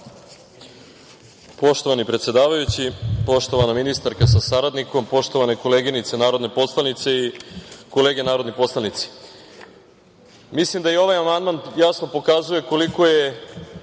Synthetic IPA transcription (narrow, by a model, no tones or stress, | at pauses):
po̞ʃt̪o̞ʋanipɾet̪sje̞d̪aːʋajut͡ɕipo̞ʃt̪o̞ʋanaminist̪aɾkasasaɾad̪niko̞mpo̞ʃt̪o̞ʋaneko̞leɡinit̪senaːɾod̪ne̞po̞slˠanit̪se̞iko̞leːɡe̞naːɾo̞d̪nipo̞slˠanit̪si̥ | mislimd̪aio̞ʋajamand̪manjasno̞po̞kazuje̞ko̞liko̞je̞